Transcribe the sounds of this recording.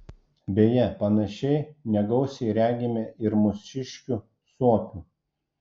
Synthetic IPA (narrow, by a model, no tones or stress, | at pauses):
bʲeːjɛpɐnɐʃʲɛɪnʲɛɡɒʊsʲɛɪɾʲæːɡʲɪmʲeʔɪɾmʊsʲɪʃʲkʲuː | suɔkʲuː